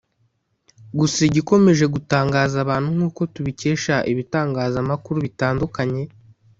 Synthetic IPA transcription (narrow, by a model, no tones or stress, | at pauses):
ɡusaiɟiko̞me̞ʒe̞ɡutaːŋɡaːzaβaːn̥huŋ̥huːko̞tuβice̞ːʃaʔiβitaːŋɡaːzamakuɾuβitaːndukaɲe̞